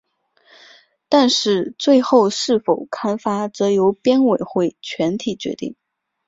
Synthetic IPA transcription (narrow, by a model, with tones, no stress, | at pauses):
t̪a˥˧nʂɻ̩˥˧t͡swe˥˧ɪxo˥˧ʊʂɻ̩˥˩fo˨˩ʊkʰa˥nfa˥t͡sɤ˧˥jo˧˥ʊpjɛ˥nwe˨˩ɪxwe˥˩ɪt͡ɕʰɥɛ˧˥nt̪ʰi˨˩t͡ɕɥɛ̰˧˥t̪ḭ˥˩ŋ